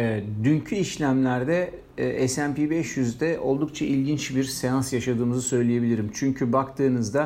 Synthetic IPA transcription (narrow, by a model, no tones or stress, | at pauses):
ɛːd̪yɲcʰyiʃlʲæmlʲæɾd̪ɛ | ɛsæmpibɛʃjyzd̪ɛʔo̞lˠd̪uk̚t͡ʃʰaʔilʲɟint͡ʃbiɾsejansjaʃad̪ɯːmɯzɯsø̞jlʲije̞bilʲiɾimt͡ʃʰyɲcʰybakt̪ʰɯːnɯzd̪a